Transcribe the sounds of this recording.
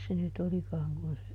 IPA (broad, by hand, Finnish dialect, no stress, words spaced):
se nyt olikɑːŋ kun se